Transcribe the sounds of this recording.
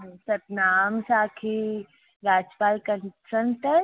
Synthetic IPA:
sɐt̪naːmsaːkʰe | ɾaːd͡ʒpaːlkɐnsənʈəɾ

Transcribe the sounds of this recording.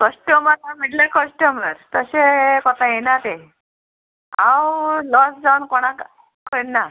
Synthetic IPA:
kəsʈəməɾt̪amiʈlekəsʈəməɾt̪əɕekɔt̪ãjenat̪e | ãwlɔsd͡zawnkoɽ̃ak | kənːa

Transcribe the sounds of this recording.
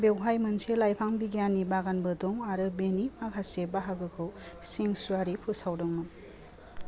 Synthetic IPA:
bewɦajmɯnselajpʰaŋbiɡijanibaɡanbɯdɔŋaɾɯbenimakʰasebaɦaɡɯkʰɯwseŋsuaɾipʰɯsawdɯŋnɯ

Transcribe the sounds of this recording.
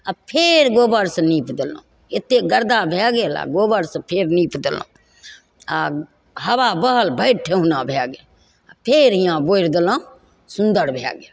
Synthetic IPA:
apʰeːɾɡoːbəɾsniːpd̪əlõ̰ː | ɪt̪ːeɡəɾd̪aːbʱeːɡeːla̰ːɡoːbəɾspʰeːɾniːpʰd̪ɪlõ̰ː | a | həʋaːbəɦəlbʱəɪʈʰeɦʊnãːbʱeːɡeː | pʰeːɾijãːboːiɾd̪əlãː | sʊnd̪əɾbʱḛɡe

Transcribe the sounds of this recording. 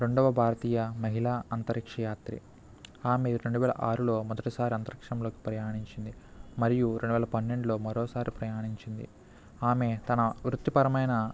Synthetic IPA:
ɾe̞ɳɖɐʋɐbʱaːɾɐt̪iːjɐmɐɦilaːɐnt̪ɐɾikʂɐjaːt̪ɾḭ | aːmeɾe̞ɳɖuʋɛːlɐ̰ʔaːɾulo̞ːmɔd̪ɐʈisaːɾiɐnt̪ɐɾikʂɐmloːki̥pɾɐjaːɳiɲt͡ʃind̪imɐɾijuɾe̞ɳɖuʋɛːlɐpɐnːe̞ɳɖulo̞ːmɐɾoːsaːɾipɾɐjaːɳiɲt͡ʃind̪i | aːme̞t̪ɐnɐʋɾut̪ːipɐɾɐmɐjnɐ

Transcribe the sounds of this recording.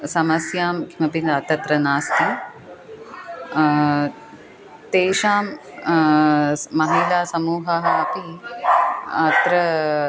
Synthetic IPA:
sɐmɐsjaːmkʰimɐpinat̪ɐt̪ɾɐnaːst̪i | t̪eːʃaːm | mɐɦeːlaːsɐmuːɦɐɦɐɐpi | ɐt̪ɾɐ

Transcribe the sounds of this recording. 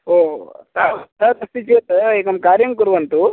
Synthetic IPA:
oːt̪at̪ɐt̪ɐst̪it͡ʃet̪ekɐmkaːɾjɐmkuɾʋɐnt̪u

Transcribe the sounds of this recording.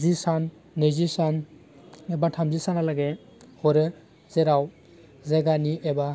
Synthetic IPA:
zisanː | ɯzisan | ebatʰamzisanalaɡe | hɔɾɯ | zeɾaw | zeɡanieba

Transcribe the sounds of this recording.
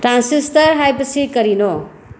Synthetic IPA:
ʈɾansisʈʌɾɦajpʌsʰikʌɾino

